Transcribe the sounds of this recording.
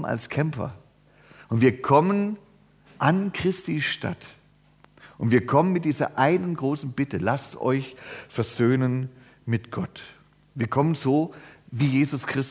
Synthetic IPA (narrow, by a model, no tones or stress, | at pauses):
na̰lskʰɛmpɐ̰ | ʔʊntv̥iːɐkʰɔmən | ʔankʁ̥ɪstiːʃta̰t | ʔʊntv̥iːɐkʰɔmənmɪt̚d̥iːzɐ̰ʔaɪnənɡʁoːsn̩b̥ɪtəlastɔ̰ʏçfɛɐz̥øːnən | mɪtɡ̥ɔt | viːɐkʰɔmənzoːviːjeːzʊskʁ̥ɪs